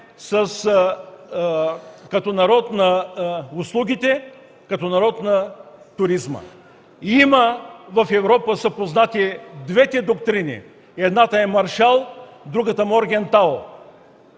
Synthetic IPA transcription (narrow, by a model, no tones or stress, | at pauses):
səs | kɐt̪ɔnɐɾɔt̪nɐʊslˠuɡʲit̪ɛ | kɐt̪ɔnɐɾɔt̪nɐt̪ʊɾizmə̰ | iməvɐfɛvɾɔpəsɐpoznat̪id̪vɛt̪ɛd̪okt̪ɾinḭ | ɛd̪nat̪əɛmɐɾʃalˠ | d̪ɾuɡət̪əmoɾɡʲɛnt̪alˠ